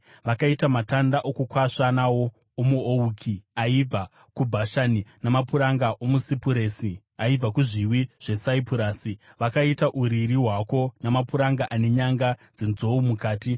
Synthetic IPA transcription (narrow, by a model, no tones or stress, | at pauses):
ʋakaitamatandaʔokukwaʂanawo̞ː | muoukʰiaib͡va | kubʱaʃaninamapuɾaŋɡaʔomusipuɾeːsi | aib͡vakuʐiwiʐ̥e̞saipuɾaːsiʋakaitaʔuɾiɾiɦwako̞namapuɾaŋɡaʔane̞ɲaŋɡad͡zinzo̞umukaːti